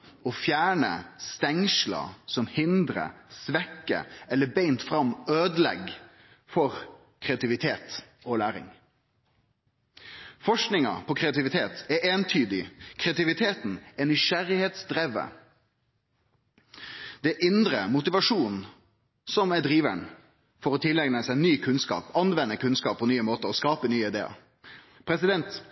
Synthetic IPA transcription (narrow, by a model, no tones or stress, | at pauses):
ɔːfjæːɳə̰st̪ɛŋʃlɑ̰sɔmhɪnd̪ɾə̰sʋɛkːə̰ɛlːəbeɪnt̪fɾɑmøːd̪lɛ̰ɡ | fɔɾ | kʰʁɛɑt̪ɪʋɪt̪ʰeːt̪ | oːlæːɾɪ̰ŋ | fɔʂknɪŋɑ̰pʰɔkʰɾɛɑt̪ɪʋɪt̪ʰeːt̪ɛʔeːnt̪ʰyːd̪ɪkʰʁɛɑt̪ɪʋɪt̪ʰeːt̪n̩ɛnɪʃæɾɪheːt̪sd̪ɾeːʋə̰ | d̪̥ɛʔɪnd̪ɾəmʊt̪ɪʋɑʂuːn | sɔmɛd̪ɾiːʋæɳ | fɔɾɔt̪ʰɪlːɛɡnəsæɪnyːkʰʉnskɑ̰ːpɑnʋɛnːəkʉnskɑːp̚pʰːɔnyːəmoːt̪əɔskɑːpənyːəɪd̪ḛːɑ̰ | pʰɾɛsɪd̪ɛnt̪